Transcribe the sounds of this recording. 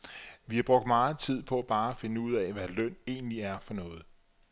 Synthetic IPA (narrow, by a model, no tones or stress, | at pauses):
ʋihɑb̥ʁɔ̽ɡ̥d̥mɑ̈ːð̩ˠt͡sʰið̞̰ˠpʰɒ̽æb̥ɑ̈ːæfe̝nəuð̞̰ˠɛʋælœn̰e̝̰ːnliæɐfɒ̽nɔ̽ːð̞̩ˠ